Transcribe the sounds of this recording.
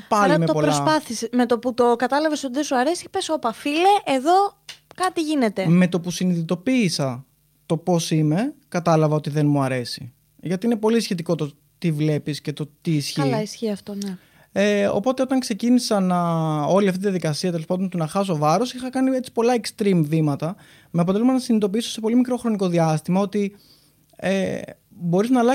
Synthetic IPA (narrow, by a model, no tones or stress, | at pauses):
pɐlimeopolɾoɐspɐθiseme̞t̪oput̪okɐt̪ɐlɐveso̞t̪iðesuɐɾesipesopɐfileʔeðo̞kɐt̪iʝine̞t̪e̞me̞t̪o̞pusiniðit̪o̞piːsɐ | t̪o̞po̞sime̞kɐt̪ɐlɐvɐo̞t̪iðe̞nmuɐɾe̞sḭ | ʝɐt̪iine̞po̞lisçe̞t̪iko̞t̪o̞ | t̪ivle̞pisce̞t̪o̞t̪iːsçiisçiɐft̪on | eo̞̰po̞t̪e̞o̞t̪ɐŋkse̞cinisɐnɐo̞liɐft̪it̪ðjɐðikɐsiɐt̪ele̞spɐnd̪o̞nt̪unɐxɐs̬o̞vɐɾo̞sixɐkɐniet͡si̥po̞lɐekst̪ɾimvimɐt̪ɐ | meɐpot̪elumɐnɐsinit̪o̞piiso̞se̞po̞limikɾo̞xɾo̞niko̞ðiɐst̪imɐo̞t̪i | ḛ | bo̞ɾiznɐlɐ